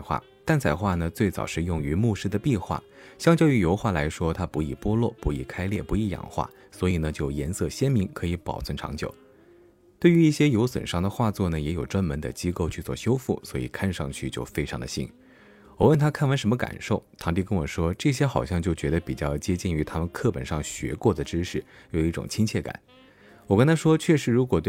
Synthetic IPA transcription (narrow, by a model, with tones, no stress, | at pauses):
xwa̰˥˩ | t̪a˥˩nt͡sʰa˨˩ɪxwa˥˩nə˩t͡swe˥˩ɪt͡sɑ̰˨˩ʊʂɻ̩˥˧jʊ˥˧ŋy˧˥mu˥˧ʂɻ̩˥d̪ə˧pi˥˧xwa̰˥˩ | ɕjɑ˥ŋt͡ɕjʊy˨˥jo˧˥ʊxwa˥˩la˧˥ɪʂwɔ˥t̪ʰa˥pu˧˥i˨˩pwɔ˥lwɔ̰˥˩pu˧˥ḭ˧˥˩kʰa˥ɪljɛ̰˥˩pu˧˥i˧˥˩jɑ̰˨˩ŋxwa̰˥˩ | swɔ˧˥i˨˩nə˦t͡ɕjo˥˩ʊjɛ˧˥nsɤ˥˩ɕjɛ˥nmi˧˥ŋkʰɤ˧˥i˧˥pɑ˨˩ʊt͡sʰə˧˥nʈ͡ʂʰɑ̰˧˥ŋt͡ɕjo̰˨˩˦ʊ | t̪we˥˩ɪy˧˥i˥˩ɕjɛ˥jo˧˥ʊswə̰˨˩nʂɑ˥˩ŋd̪ə˨xwa˥˧t͡swɔ˥˩nə˩jɛ˧˥jo˨˩ʊʈ͡ʂwa˥nmə˧˥nd̪ə̰˧t͡ɕi˥ko˥˧ʊt͡ɕʰy˥˧t͡swɔ̰˥˩ɕjo˥ʊfu˥˩swɔ˧˥ḭ˨˩kʰa˥˧nʂɑ̰˥˧ŋt͡ɕʰy˥˧t͡ɕjo˥˧ʊfe˥ɪʈ͡ʂʰɑ˧˥ŋd̪ə˧ɕḭ˥n | wɔ˨˩wə˥˩nt̪ʰa˥kʰa˥˩nwə˧˥nʂə˧˥nmə˧ka̰˨˩nʂo˥˩ʊt̪ʰɑ˧˥ŋt̪̬i˥˩kə˥nwɔ˨˩ʂwɔ˥ʈ͡ʂɤ˥˩ɕ̬jɛ˥xɑ˨˩ʊɕjɑ˥˧ŋt͡ɕjo˥˩ʊt͡ɕɥɛ˧˥d̪ə˧pi˨˩t͡ɕjɑ˥˩ʊt͡ɕjɛ˥t͡ɕi˥˩ny˧˥t̪ʰa˥mə˨nkʰɤ˥˩pə˨˩nʂɑ˥˩ŋɕɥɛ̰˧˥kwɔ˥˩d̪ə˩ʈ͡ʂɻ̩˥ʂɻ̩˥˩jo˨˩ʊi˥˩ʈ͡ʂʊ̰˨˩ŋt͡ɕʰi˥ŋt͡ɕʰjɛ˥˩ka̰˨˩˦n | wɔ˨˩ka˥nt̪ʰa˥ʂwɔ˥t͡ɕʰɥɛ˥˧ʂɻ̩˧˥ɻu˧˥kwɔ˨˩t̪we˥˩